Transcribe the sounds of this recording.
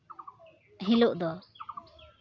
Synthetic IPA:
ɦiluʔd̪ɔ

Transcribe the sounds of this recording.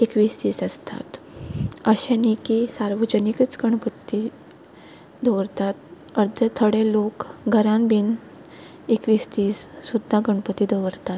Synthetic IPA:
ekʋiːst̪iːsəst̪a̰t̪ | əɕɛ̃nikisaɾʋəd͡ʑənikət͡sɡəɳpət̪ːi | d̪ʱəʋəɾt̪at̪ | əɾd̪ʱət̪ʰəɽelokɡʱəɾãnbʱin | ekʋiːst̪iːssud̪ʱːaɡəɳpət̪id̪ʱəʋəɾt̪at̪̚

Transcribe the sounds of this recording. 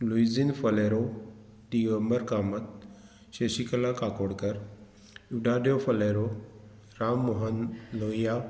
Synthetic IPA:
luizinfəleɾo | ɖiʋəmbəɾkaːmət̪̚ | ʃeɕikəlakakoːɽkəɾ | iʋɖaɖjofʰəleɾo | ɾamːɔɦənloja

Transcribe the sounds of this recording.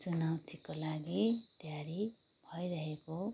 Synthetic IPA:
t͡sunawt̪ʰikolaɡit̪jaɾi | bʱʌjɾʌɦeko

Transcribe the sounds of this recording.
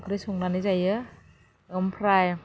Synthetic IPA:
kʰɾisuŋnanizajɯ | ɯmpʰɾaj

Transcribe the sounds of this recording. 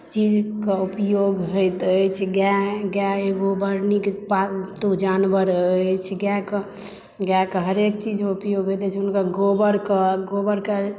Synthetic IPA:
t͡ʃid͡ʒkəupjoɡɦojt̪ət͡ʃʰɛɡaɡaeɡobəɾnikpat̪od͡ʒanbəɾət͡ʃʰɛɡakə | ɡakəɦəɾekt͡ʃid͡ʒeupjoɡɦojt̪ɛt͡ʃʰunkəɡobəɾkəɡobəɾkə

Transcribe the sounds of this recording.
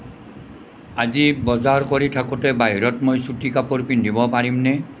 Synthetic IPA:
ad͡ʒibɔd͡ʒaɾkɔɾiʈʰakutebaɦjɾɔt̪mɔjsuʈikapɔɾpiɳɖʱibɔpaɾimne

